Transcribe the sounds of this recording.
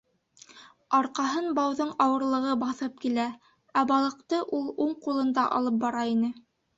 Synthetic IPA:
ɑɾqɑɦɤnbɑwðoɴɑwɤ̆ɾlˠɤ̆ʁɤbɑθɤp̚kilæ | æbɑlˠɤ̆qt̪ɤʔulˠuɴqulˠɤ̆nd̪ɑʔɑ̰lˠɤp̚bɑɾɑinɘ

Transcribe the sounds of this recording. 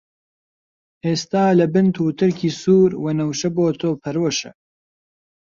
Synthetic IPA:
ʔeːst̪aːlɐbɨnt̪ʰuːt̪ʰɨɾkʰiːsuːɾwenɐwʃɐboːt̪ʰoːpʰɐɾwoʃɐ̰

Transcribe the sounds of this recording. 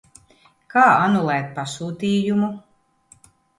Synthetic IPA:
kaːanulˠɛːt̪̚pasuːt̪iːjumu

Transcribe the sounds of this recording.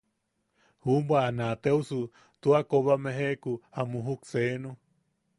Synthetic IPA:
humbwaːnat̪eusu | t̪uakoβamẽɦekuhamũɦuksenu

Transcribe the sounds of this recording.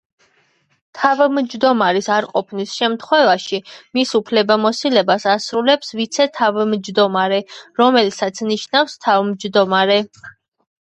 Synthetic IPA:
t̪ʰavmd͡ʒd̪ɔmaɾisaɾqʼɔpʰnisʃɛmt̪ʰχwɛvaʃimisupʰlɛbamɔsilɛbasasɾulɛpsvit̪sʰɛt̪ʰavɛmd͡ʒd̪ɔmaɾɛɾɔmɛlisat̪sʰniʃnafst̪ʰavmd͡ʒd̪ɔmaɾɛ

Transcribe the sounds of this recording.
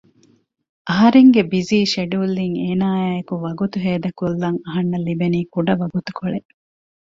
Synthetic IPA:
ʔɐɦɐɾeŋɡebiziːʃeɖuːlːiŋeːnaːajɐkuʋɐɡut̪uɦeːd̪ɐkulːɐŋɐɦɐnːɐlibeniːkuɖɐʋɐɡut̪u̥koɭeʔ

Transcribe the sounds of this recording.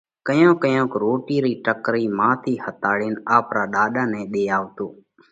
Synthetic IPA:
kəjõːkəjõːkɾoːʈiːɾiːʈəkɾiːmãːt̪ʰiːhət̪aːɽiːnaːpɾaːɗaːɗaːnɛ̃ːɗeːaːʋt̪oː

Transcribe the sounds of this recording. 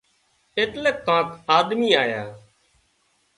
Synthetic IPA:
eːt̪lekːãːkaːd̪miːaːjaː

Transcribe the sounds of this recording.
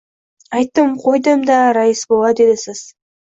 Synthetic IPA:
ɑjt̪ːəmqʰo̞jd̪əmd̪ɑɾɑjəsbolˠɑd̪e̞d̪ɪsɪz̥

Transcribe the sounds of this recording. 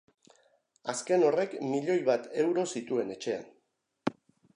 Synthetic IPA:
aske̞no̞re̞kmiʎo̞jβat̪e̞wɾo̞sit̪ue̞ne̞t͡ʃe̞a̰n

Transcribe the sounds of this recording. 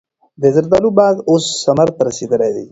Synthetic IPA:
d̪ezəɾd̪alubaːd̪osːɐmɐɾt̪ɾɐsid̪əlad̪ḭ

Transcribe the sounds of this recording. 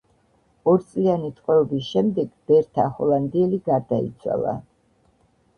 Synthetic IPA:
ɔɾit̪sʼlianit̪ʼqʼwɛɔbisʃɛmd̪ɛɡb̥ɛɾt̪ʰahɔlˠand̪iɛliɡaɾd̪aḭt̪sʰwa̰lˠa̰

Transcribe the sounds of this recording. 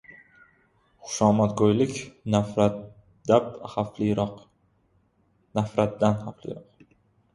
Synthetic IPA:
χʊ̥ʃɒmat̪ɡojlɪkʲnaa | d̪aphaflɾq | nafɾat̪̚d̪anhaflɪ̰ɾɒq̚

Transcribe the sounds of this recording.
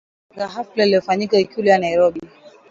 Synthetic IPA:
ɡaɦaflaliɔfaɲikaikulijanajɾɔbi

